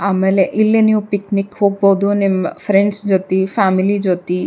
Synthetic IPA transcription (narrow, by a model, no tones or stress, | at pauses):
aːmeːleʔilːiniʋupiknikhoːɡ̚boːd̪unimːɐpʰɾeɳɖsd͡ʒoːt̪ipʰaːmilid͡ʒoːt̪i